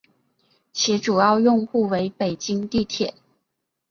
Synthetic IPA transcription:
t͡ɕʰjɛ˧˥ʈ͡ʂu˨˩jɑ˥˧ʊjʊ˥˧ŋxu˥˩we˧˥ɪpe˨˩ɪt͡ɕi˥ŋt̪i˥˩t̪ʰjɛ˨˩˦n

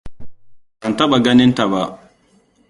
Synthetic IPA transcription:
ɓa˨nta˦ɓa˨ɡa˦nɪ˦nta˨ba˨

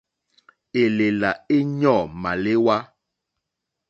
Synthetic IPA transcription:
e˨le˨la˨e˦ɲɔ̃˦˨mã˨le˦wa˦

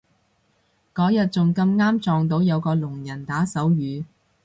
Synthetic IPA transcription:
kɔː˨˥jɐ˨t̚t͡sʊ˨ŋkɐ˧mŋaː˥mt͡ʃɔː˨ŋt̪̬o˨˥wjɐ˨˧wkɔː˧lʊ˨˩ŋjɐ˨˩nt̪aː˨˥sɐ˨˥wjyː˨˧

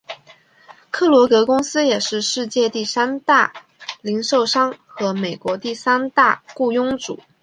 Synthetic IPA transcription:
kʰɤ˥˩lwɔ˧˥kɤ˧˥kʊ˥ŋsɹ̩˥jɛ˨˩ʂɻ̩˥˧ʂɻ̩˥˧t͡ɕjɛ˥˧t̪i˥˩sa˥nt̪a˥˩ | li˧˥ŋʂo˥˩ʊʂɑ˥ŋxɤ˧˥me˨˩ɪkwɔ˧˥t̪i˥˩sa˥nt̪a˥˧ku˥˩jʊ˥ŋʈ͡ʂṵ˨˩˦

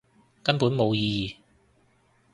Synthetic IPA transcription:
kɐ˥npuː˨˥nmo˨˧wjiː˧jiː˨

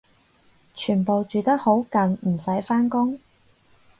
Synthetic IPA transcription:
t͡ʃʰyː˨˩npo˨wt͡ʃyː˨t̪ɐ˥k̚ho˨˥wkɐ˨nm̩˨˩sɐ˨˥jfaː˥nkʊ˥ŋ

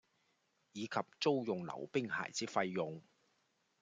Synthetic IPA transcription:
jiː˨˧kʰɐ˨p̚t͡so˥wjʊ˨ŋlɐ̰˨˩wpɪ˥ŋha̰ː˨˩jt͡siː˨˥fɐ˧jːʊ˨ŋ

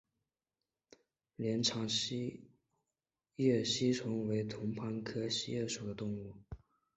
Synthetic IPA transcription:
ljɛ˧˥nʈ͡ʂʰɑ˧˥ŋɕ | jɛ˥˩ɕi˥ʈ͡ʂʰʊ˧˥ŋwe˧˥ɪt̪ʰʊ˧˥ŋpʰa˧˥nkʰɤ˥ɕi˥jɛ˥˩ʂu˨˩d̪ə˦t̪ʊ˥˧ŋu˥˩

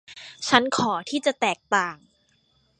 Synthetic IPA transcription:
t͡ɕʰa˦˥nkʰɔː˩˦t̪ʰiː˥˩t͡ɕa˨˩t̪ɛː˨˩k̚t̪aː˨˩ŋ

